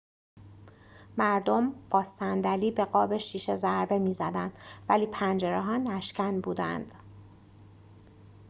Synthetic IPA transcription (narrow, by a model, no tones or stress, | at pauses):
mæɾd̪omb̥ɒːsænd̪æliːbe̞ɣɒːbe̞ʃiːʃe̞zæɾbe̞miːzæd̪ænd̪̥væliːpʰænd͡ʒeɾeɦɒːnæʃcʰænbuːd̪æ̰nd̪̥